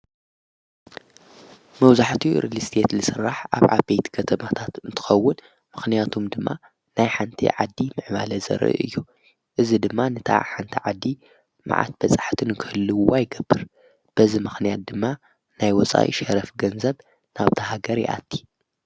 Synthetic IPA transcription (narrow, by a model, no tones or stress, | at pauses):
mɐwzaħt̪ʰiɾilist̪ʰet̪lɨsɨrːaħʔa̰βʕa̰bejt̪kʰɐt̪ʰɐmat̪ʰat̪ɨnt̪ʰɨ̥xɐwːʊn | mɨxnijat̪ʰumd̪ɨmːa̰ | najħant̪ʰḭʕad̪ːimɨʕmalɐzɐ̰ɾʔɨ̰ʔɨ̰jːu | ʔɨzid̪ɨmːanɨt̪ʰa̰ʕħant̪ʰiʕad̪ːi | ma̰ʕa̰t̪̚b̥ɐt͡sʼḁħt̪ʰɨnɨkʰɨhɨlːɨwwajɡɐbːɨɾ | b̥ɐzimɨxnijat̪̚d̪ɨmːa | najwɔt͡sʼa̰ʔḭʃɐɾɐfɡɐnzɐβ | naβt̪ʰɐɦaɡɐɾjḭʔa̰t̪ʰːi̥